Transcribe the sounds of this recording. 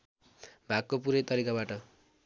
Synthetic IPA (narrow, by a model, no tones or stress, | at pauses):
bʱak̚kopuɾʌjt̪ʌɾikabaʈʌ